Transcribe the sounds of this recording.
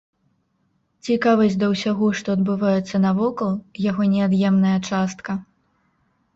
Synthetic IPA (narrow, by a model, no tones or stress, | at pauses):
t͡sʲikavɐzʲd̪ɐwsʲaɣɔʂt̪ɔːd̪bɨvajɛt̪sːɐnɐvɔkɐlˠjaɣɔnʲɛad̪jɛmnɐjɐt͡ʂast̪kɐ